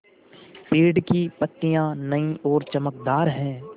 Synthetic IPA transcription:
piːɾɖkipɐt̪ːijãnɐĩʔɔːɾt͡ʃɐməkd̪aːɾɦɛ̃ː

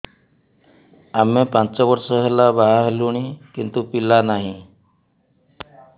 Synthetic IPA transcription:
amepãt͡sɔʋəɾsəɦəlabaɦaɦluɳ̃ikint̪upilanaɦĩ

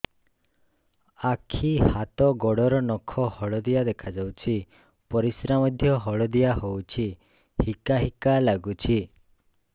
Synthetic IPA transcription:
akʰihat̪ɔɡɔɽɔɾɔnɔkʰɔhɔɭɔd̪ijad̪ekʰad͡ʒawt͡ʃʰi | pɔɾisɾamɔd̪ʱjɔɦɔɭɔd̪ijaɦowt͡ʃʰi | hikaɦikalaɡut͡ʃʰi

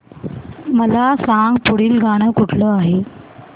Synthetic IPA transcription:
məlasãŋɡpuɽiːlɡʱaɽ̃əkuʈʰləaɦe

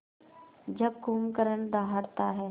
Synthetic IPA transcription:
d͡ʒɐb̚ɡʱuːmkəɾəɳd̪aːɦəɽt̪aɦɛː

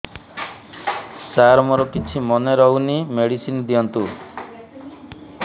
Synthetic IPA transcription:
saɾmɔɾɔkit͡ʃʰimɔneɾɔɦunimeɽisind̪iɔnt̪u

